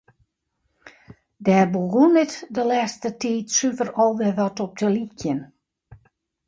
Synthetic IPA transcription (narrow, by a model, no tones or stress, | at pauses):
dɛːbəlˠɡunɪtdəlɛːstətiːtsyvərɔlˠʋɪʋɔtɔp̚dəlikjən